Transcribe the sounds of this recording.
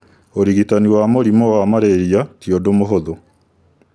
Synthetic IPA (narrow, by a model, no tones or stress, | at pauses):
oɾiɣitaniwamoɾimɔwamaɾeɾiatjodomoɦoðo